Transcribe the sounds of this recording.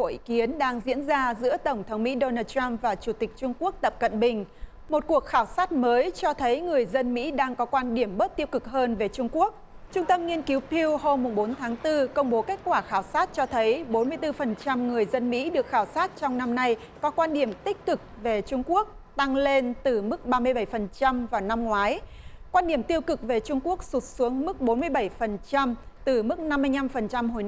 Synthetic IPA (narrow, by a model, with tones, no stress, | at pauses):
o̰˧˨ʔi˨˦ki˨˦ənɗaː˧ŋzḭ˧˥ənzaː˧zɨ̰˧˥ət̪ə˧˩ŋ͡mt̪ʰə˨˦wŋ͡mmḭ˧˥ɗo˧naː˧t̚ta˧mvaː˨˩t͡ɕu˧˩t̪ï˨˩k̟̚t͡ɕʊ˧ŋ͡mku˦˥ək̚t̪ə˨˩p̚kə̰˧˨nɓï˨˩ŋ̟ | mo˨˩t̚ku˨˩ək̚xaː˧˩wsaː˦˥t̚məː˨˦jt͡ɕɔ˧t̪ʰə˨˦jŋɨ˨˩əjzə˧nmḭ˧˥ɗaː˧ŋkɔ˨˦kwaː˧nɗi˧˩əmɓə˦˥t̚t̪i˧əwkɨ˨˩k̚həː˧nve˨˩t͡ɕʊ˧ŋ͡mku˦˥ək̚ | t͡ɕʊ˧ŋ͡mt̪ə˧mŋi˧ənki˨˦wpʰi˧wɦo˧mːʊ˨˩ŋ͡mɓo˨˦nt̪ʰaː˨˦ŋt̪ɨ˧kə˧wŋ͡mɓo˨˦ke˦˥k̚kwaː˧˩xaː˧˩wsaː˦˥t̚t͡ɕɔ˧t̪ʰə˨˦jɓo˨˦nmɨ˧əjt̪ɨ˧fə˨˩nt͡ɕa˧mŋɨ˨˩əjzə˧nmḭ˧˥ɗɨ˨˩ək̚xaː˧˩wsaː˦˥t̚t͡ɕɔ˧wŋ͡mna˧mna˧j | kɔ˨˦kwaː˧nɗi˧˩əmt̪ï˦˥k̟̚kɨ˨˩k̚ve˨˩t͡ɕʊ˧ŋ͡mku˦˥ək̚ | t̪a˧ŋle˧nt̪ɨ˨˩mɨ˦˥k̚ɓaː˧mɨ˧əjɓa˧˩jfə˨˩nt͡ɕa˧mvaː˨˩wna˧mŋwaː˨˦j | kwaː˧nɗi˧˩əmt̪i˧əwkɨ˨˩k̚ve˨˩t͡ɕʊ˧ŋ͡mku˦˥ək̚su˨˩t̚su˨˦əŋmɨ˦˥k̚ɓo˨˦nmɨ˧əjɓa˧˩jfə˨˩nt͡ɕa˧mt̪ɨ˨˩mɨ˦˥k̚na˧mːɨ˧əjɲa˧mfə˨˩nt͡ɕa˧mɦo˨˩j